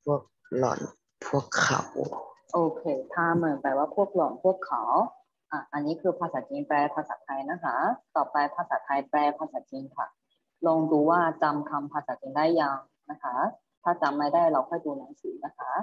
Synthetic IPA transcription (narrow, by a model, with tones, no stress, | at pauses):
pʰu˥˩ək̚ | lɔ̰ː˨˩˦n | pʰu˥˩əkʰːa̰˨˩˦wʔoː˧kʰeː˧t̪ʰaː˧˩mɤː˨˩ŋpaː˧˩waː˥˩pʰu˥˩ək̚lɔː˨˩˦npʰu˥˩əkʰːa˨˩˦w | ʔaː˧˩ʔa˧nːiː˦˥kʰɯː˧pʰaː˧saː˩˦t͡ɕi˧ŋpɛː˧pʰaː˧saː˩˦t̪ʰa˧jna˦˥kʰa˦˥t̪ɔː˨˩pa˧jpʰaː˧saː˨˩˦t̪ʰa˧jplɛː˧pʰaː˧saː˩˦t͡ɕi˧ŋkʰa̰˧˩ | lɔː˧ŋduː˧waː˥˩t͡ɕa˧mkʰa˧mpʰaː˧saː˩˦t͡ɕi˧ŋdaː˥˩jːaː˧ŋ | na˦˥kʰa˦˥ | t̪ʰaː˥˩t͡ɕa˧mːaː˦˥˩jdaː˥˩jɾa˧wkʰɔː˥˩jduː˧naː˩˦ŋsiː˩˦na˦˥kʰa˦˥